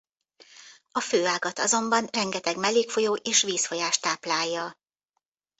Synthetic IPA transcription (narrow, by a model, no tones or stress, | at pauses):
ɒføːaːɡɒt̪ɒzo̞mbɒnrɛŋɡɛt̪ɛɡmɛleːkfo̞joːʔeːʃʋiːsfo̞jaːʃt̪aːplaːjːɒ